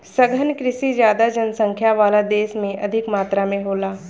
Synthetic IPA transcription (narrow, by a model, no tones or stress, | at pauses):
sɐɡʱənkɾɪsizjaːd̪ad͡ʒɐnsə̃ŋkʰjaʋaːlad̪eːsmẽʔɐd̪ʱɪkmaːt̪ɾamẽɦoːlaː